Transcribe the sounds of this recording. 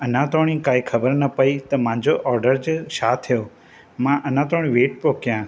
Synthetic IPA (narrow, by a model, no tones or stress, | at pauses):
ɐnãːt̪oːɽ̃ĩːkaːikʰɐbəɾnɐpɐit̪ɐmãːɲ̆d͡ʑoʔɔːɾɖəɾd͡ʑʃaːt̪ʰjoː | mãʔɐnãːt̪oːɽ̃ĩʋeːʈ̚poːkjãː